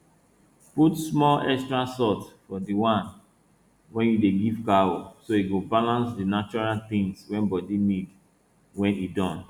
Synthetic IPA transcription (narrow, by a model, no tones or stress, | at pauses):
putsmɔlɛkstɹasɔtfɔdiwãn | wɛ̃njudeɡivkaosoiɡobalãnsdinat͡ʃɔɹalt̪ĩŋswɛ̃nbɔdinid | wɛ̃nidɔ̃n